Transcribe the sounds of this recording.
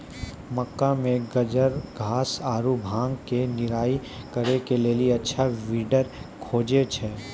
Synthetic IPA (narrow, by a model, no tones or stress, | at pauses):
mɐkːamẽɡɐd͡ʒəɾɡʱaːsaːɾubʱãːŋɡkenɪɾaːikɐɾekeleːliɐtːʃʰaʋiːɖəɾkʰoːd͡ʒet͡ʃʰɛː